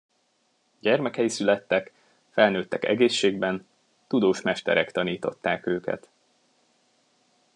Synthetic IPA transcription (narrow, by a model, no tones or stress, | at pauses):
ɟɛrmɛkɛjisylɛt̪ːɛk | fɛlnøːt̪ːɛkɛ̰ɡeːʃːeːɡbɛn | t̪ud̪oːʃmɛʃt̪ɛ̰ɾɛkt̪ɒniːt̪o̞̰t̪ːaːkøːkɛ̰t̪